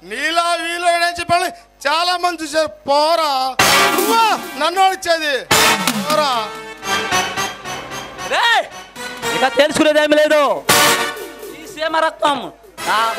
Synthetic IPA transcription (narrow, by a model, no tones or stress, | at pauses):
niːlaːʋiːloɐɽeːt͡ʃɛpːɐːn | t͡ʃaːlaːmɐnt͡ʃut͡ʃepɔːɾauanɐnːoɽit͡ʃːeːd̪i | ɔːɾa | ɾe | ikaːt̪elisukuned̪eːmileːd̪u | sisiemɐɾɐk̚t̪ːɐm | aː